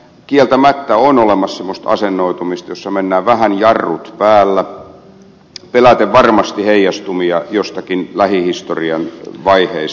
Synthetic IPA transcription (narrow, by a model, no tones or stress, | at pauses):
kielt̪æmæt̪ːæonolemɑssemːost̪ɑ̰senːoit̪umist̪josːɑmenːæːʋæhænjɑrːut̪pæːlːæ | pelæt̪eʋʋɑrmɑst̪iheijɑst̪umiɑjost̪ɑkinlæhihist̪oriɑnʋɑiheis